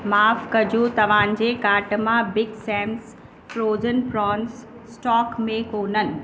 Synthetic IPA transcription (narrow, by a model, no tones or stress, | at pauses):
maːfkɐd͡ʑut̪ɐʋ̤ãːnd͡ʑeːkaːʈ̆mãbɪɡsɛ̃ːms | fɾoːzənpɾɔːns | sʈɔːkmẽkoːnənɪ̆